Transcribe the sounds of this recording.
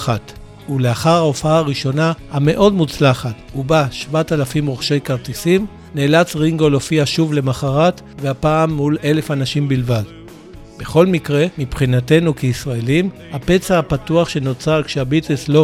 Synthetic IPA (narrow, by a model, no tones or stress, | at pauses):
at | uleaχaʁhaofaaːʁiʃo̞nahame̞ʔo̞dmut͡slaχatubaʃvatalafimʁoχʃe̞jkaʁt̪isim | neːlat͡sʁiŋɡo̞lofiaʃuvle̞maχaʁat | veapaːmːule̞le̞fanaʃimbilvad | b̥e̞χo̞lmikʁe̞mipχinate̞nukeisʁaelimhape̞t͡saːpatuaχʃe̞not͡saʁkʃeabiteslo̞